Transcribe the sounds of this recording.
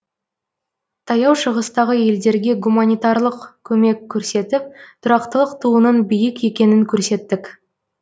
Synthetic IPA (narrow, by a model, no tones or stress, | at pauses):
t̪ʰɑjɑwʃəʁəst̪ɑʁəje̞ld̪e̞ɾɡʲe̞ɡumanʲijt̪ɑɾlˠəqkʲʰɵme̞kʲʰːɵɾse̞t̪ɪp̚t̪ʰʊɾɑqt̪əlˠəqt̪ʰuənənbijɪke̞kʲe̞nɪŋkʲʰɵɾse̞t̪ːɪk